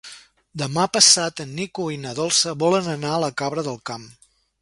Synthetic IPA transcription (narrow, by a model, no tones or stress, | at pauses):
d̪əmapəsat̪ənːikuinəðɔlˠsəβɔlənənaələkaβɾəðəlˠkam